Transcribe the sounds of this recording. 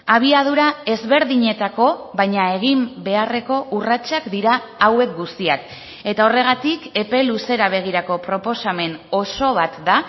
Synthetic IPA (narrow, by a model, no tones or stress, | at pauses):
aβ̞iaðuɾae̞zβe̞ɾðiɲe̞t̪ako̞βajɲae̞ɣ̞imbe̞are̞ko̞ʔurat͡ʃakd̪iɾaː | we̞k̚ɡust̪iak | e̞t̪ao̞re̞ɣ̞at̪ike̞pe̞luse̞ɾaβ̞e̞ɣ̞iɾako̞pɾo̞po̞same̞no̞so̞β̞at̪d̪a